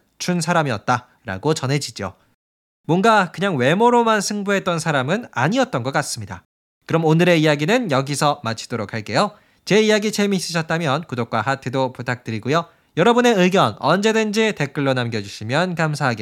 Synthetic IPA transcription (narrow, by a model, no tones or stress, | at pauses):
t͡ɕʰunsʰaɾamiʌt̚t͈a | ɾa̰ɡot͡ɕʌnɦe̞d͡ʑid͡ʑio̰ | mwʌnɡakɯɲaŋwe̞moɾomansʰɯŋbuɦe̞t̚t͈ʌnsʰaɾamɯna̰ɲiʌt̚t͈ʌnɡʌk͈ats͈ɯmɲida̰ | kɯɾʌmonɯɾe̞ijaɡinɯnjʌɡisʰʌmat͡ɕʰi̥d̥oɾokʰaɭk͈e̞jo | t͡ɕe̞ijaɡit͡ɕe̞miɕ͈iɕʰʌt̚t͈amjʌnkudok͈wahatʰɯdoputʰak̚t͈ɯɾiɡujo | jʌɾʌbune̞ɯɡjʌnʌnd͡ʑe̞dwend͡ʑite̞k͈ɯɭːonamɡjʌd͡ʑuɕʰimjʌnkamsʰaɦaɡe